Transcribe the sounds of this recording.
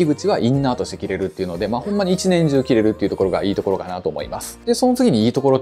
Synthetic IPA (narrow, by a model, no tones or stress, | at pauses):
iɡɯ̟t͡ɕiβaʔĩnːaːt̪o̞ɕt̪e̞kʲiɾe̞ɾɯ̟t̪ːe̞iɯ̟no̞d̪e̞maːhõ̞mːaɲ̟iːt͡ɕinẽ̞ɲ̟d͡ʑɨːkʲiɾe̞ɾɯ̟t̪ːeiɯ̟t̪oko̞ɾo̞ɡa̰iːt̪o̞ko̞ɾo̞kanat̪o̞ːmo̞̰ḭmasɨ̥d̪e̞so̞no̞t͡sɨɡʲiɲ̟iːt̪o̞ko̞ɾo̞